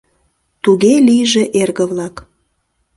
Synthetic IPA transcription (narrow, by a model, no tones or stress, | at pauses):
t̪uɣelijʒeʔerɣəβlɑk